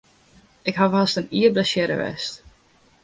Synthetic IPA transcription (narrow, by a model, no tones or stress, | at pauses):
ʔɪkɦafastəniəblɛsjɛɾə̰ʋɛ̰st